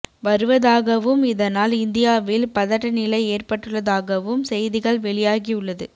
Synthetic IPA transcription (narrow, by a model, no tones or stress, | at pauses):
ʋɐɾɯʋɐðaːɣɐʋɯmɪðɐnaːlɪnd̪ɪjaːʋɪlpɐðɐʈːɐnɪlɐɪeːrpɐʈːɯɭːɐðaːɣɐʋɯmsɛjðɪɣɐɭʋɛɭɪjaːɣiʊɭːɐðɯ